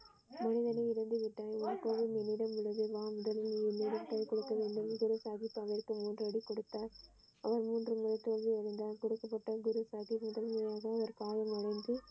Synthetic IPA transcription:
mɐnɪðɐnɐɪɪɾɐnd̪ɯʋɪʈːaːjɔnɐkːoːʋɪnɛnːɪɽɐmɪɻɐðɯʋaːmʊðɐlɯnɪnːiɽɐmkɐɭkɔɽɯkːɐʋeːɳɖɯmɡʊɾusaːðipːaːʋɪrkɯmuːndrɐɽikɔɽɯt̪ːaːɾ | ɐʋɐɾmuːndrɯmʊɾɐt͡ʃːoːlʋiɛɻɯnd̪aːlkɔɽɯkːɐpːɐʈːɐɡʊɾusaːðimʊðɐlmɐjaːɣɐːʋɐɾkaːlɐmɐɽɐɪnd̪ɯ

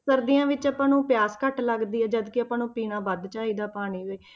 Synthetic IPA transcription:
səɾd̪ijãːʋɪt͡ʃəpãːnũːpɪjaːskəʈləɡd̪iːɛːd͡ʒəd̪kɪəpãːnũːpiːnãːʋəd̪t͡ʃaːɦiːd̪aːpaːniːɦoiː

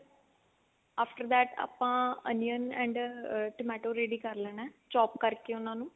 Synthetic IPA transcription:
aːpʰʈəɾd̪ɛːʈa̰ːpãːə̰nijənɛ̰̃ɳɖʈəmɛːʈoːɾeːɖiːkəɾlɛːnɛːt͡ʃɔːp̚kəɾkeːʊnãːnũː

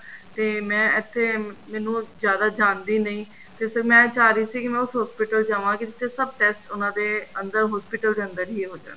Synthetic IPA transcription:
t̪eːmɛ̃ːɪt̪ʰːeːmɛːnũːzjaːd̪aːd͡ʒaːnd̪iːnəĩː | t̪eːsəɾmɛ̃ːt͡ʃaːɾiːsiːkɪmɛ̃ːʊsɦɔːspɪʈəld͡ʒaːʋãːkɪd͡ʒ̪ɪt̪ʰːeːsəb̚ʈɛːsʈʊnãːd̪eːənd̪əɾɦɔːspɪʈəld̪eːə̃nd̪əɾɦiːɦoːd͡ʒa̰ːna

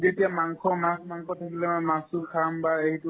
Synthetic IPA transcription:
zetiamaŋkʰɔmasmaŋkʰɔtʰakilɛmɔmasʊkʰambaeɦitu

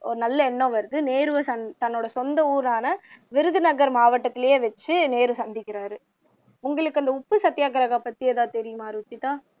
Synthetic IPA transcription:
ɔɾɯnɐlːɐɛnːõʋɐɾɯðɯneːɾɯʋɐsɐnt̪ɐnːoːɽɐsɔnd̪ɐuːɾaːnɐʋɪɾɯðɯnɐɣɐɾmaːʋɐʈːɐt̪ːɪlɐjeːʋɛt͡ʃːɯneːɾɯsɐnd̪ɪkːɪɾaːɾɯ | ʊŋɡɐɭɯkːɯɐnd̪ɐʊpːɯsɐt̪ːɪjaːkɐɾɐɣaːpɐt̪ːiɛðaːt̪ɛɾɪjɯmaːɾɯt͡ʃːit̪ãː

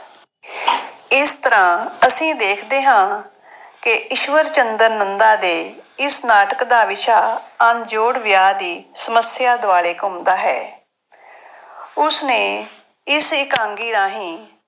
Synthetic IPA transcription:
ɪst̪əɾãːəsĩːd̪eːkʰd̪eːɦãː | kɪʔɪʃʋəɾt͡ʃənd̪əɾnənd̪aːd̪eːɪsnaːʈəkd̪aːʋɪʃaːənd͡ʒoːɽʋjaːd̪iːsəməsjaːd̪ʊaːɭeːkʊmd̪aːɦɛ̰ː | ʊsnẽː | ɪsɪkãːŋɡiːd̪ãːɦĩː

